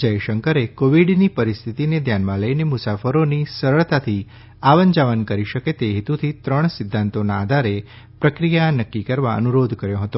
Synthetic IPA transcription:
d͡ʒəjʃəŋkəɾekoʋiɖnipəɾist̪ʰit̪ined̪ʱjanmãləinemʊsafəɾonisəɾəɭt̪at̪ʰi | aʋənd͡ʒaʋənkəɾiʃəket̪eɦɪt̪ut̪ʰit̪ɾəɳ̃sɪd̪ʱːãnt̪onaːd̪ʱaɾe | pɾəkɾijanəkːikəɾʋa̰ə̰nuɾod̪ʱkəɾjõɦət̪o

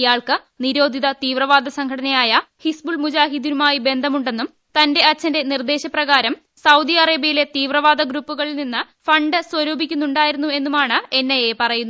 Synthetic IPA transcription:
ijaːɭkɨ | niɾo̞ːd̪ʱiðɐt̪iːʋrɐʋaːd̪ʱɐsɐŋkʰɐɽɐnɐjaːjɐhisbuɭmud͡ʑaːɦid̪inumaːjibe̞nd̪ʱɐmuɳɖe̞nːum | t̪ɐnde̞ɐt͡ɕːɐnde̞nird̪e̞ːɕɐprɐɣaːɾɐm | sɐwd̪iɐreːbijile̞t̪iːʋrɐʋaːd̪ɐɡɾuːpːuɣɐɭilninːɨ | fɐɳɖɨswɐɾoːbʱikʲːunːuɳɖaːjiɾunːue̞nːumaːɳɨe̞nːɐjepɐrɐjunːu

